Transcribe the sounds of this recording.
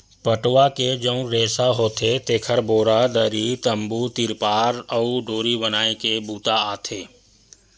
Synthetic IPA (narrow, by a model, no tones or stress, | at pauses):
pəʈwaked͡ʒəũɾeːsaɦoːt̪ʰet̪eːkʰəɾboːɾad̪əɾit̪əmbut̪ɪɾpaːɾəuɖʱoːɾibənaːekebuːt̪aaːt̪ʰeː